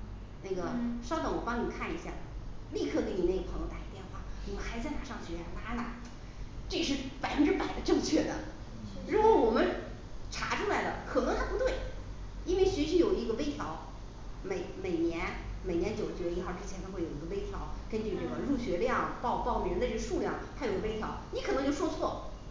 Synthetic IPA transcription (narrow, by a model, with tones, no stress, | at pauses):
na˥˩ɡə˩ʂɑ˥ʊt̪ɑ˧˥ŋwɔ˨˩pɑ˥ŋni˨˩kʰa˥˩ni˧˥ɕja˥˩li˥˧kʰɤ˥˩k̪e˧˥ni˨˩ne˥˩ɡə˩pʰɤ˧˥ŋjʊt̪a˨˩i˧˥t̪jɛ˥˧nxwa̰˥˩wɔ˨˩mə˦xa˧˥ɪt͡sa˥˩ɪna̰˨˩ʂɑ˥˩ŋɕɥɛ˧˥˧la˥na˨˩ | ʈ͡ʂe˥˧ʂɻ̩˥˩pa˨˩ɪfə˦nʈ͡ʂɻ̩˥˧pa˨˩ɪd̪ə˦ʈ͡ʂɤ˥˧ŋt͡ɕʰɥɛ˥˩d̪ə˦ | ɻu˧˥kwɔ˧˥wɔ˨˩mə˦n | ʈ͡ʂʰa˧˥ʈ͡ʂʰu˥la˧˥ɪlə˧kʰɤ˨˩nɤ˧˥ŋt̪ʰa˥pu˧˥t̪we˥˩ɪ | i˥nwe˥˩ɪɕɛ˧˥ʂ̬i˧˥jo˨˩ʊi˧˥ɡə˧pe˥ɪt̪ʰjɑ˧˥ʊ | me˨˩ɪme˨˩ɪnjɛ˧˥nme˨˩ɪnjɛ˧˥nt͡ɕjo˨˩ʊ˩t͡ɕjɛ˧˥˩ə˧i˥xɑ˥˩ʊʈ͡ʂɻ̩˥t͡ɕʰɛ˧˥nt̪ʰa˥we˥˩ji˧˥ɡə˧pe˥ɪt̪ʰjɑ˧˥ʊkə˥nt͡ɕy˥˧ʈ͡ʂɤ˥˩ɡə˩ɻu˥˩ɕɥɛ˧˥ljɑ˥˩ŋpɑ˥˧ʊpɑ˥˧ʊme˨˩ɻnd̪ə˧ʈ͡ʂɡə˧ʂu˥˧ljɑ̰˥˩ŋt̪ʰa˥jʊɡpe˥ɪt̪ʰjɑ̰˧˥ʊni˧˥k̪ʰŋt͡ɕjo˥˧ʊʂɔ˥˧t͡sʰwɔ˥˩